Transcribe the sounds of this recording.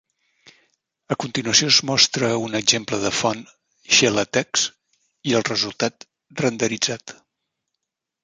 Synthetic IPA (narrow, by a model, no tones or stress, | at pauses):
əkunt̪inuəsioəzmɔst̪ɾəunəɡzempləðəfɔn | ʃɛlət̪ɛks | iəlˠrəzulˠt̪at̪ | rənd̪əɾid͡zat̪